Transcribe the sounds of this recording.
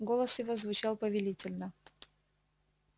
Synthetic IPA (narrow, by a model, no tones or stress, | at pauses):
ɡolˠəsjɪvozvʊt͡ɕalˠpəvʲɪlʲitʲɪlʲnə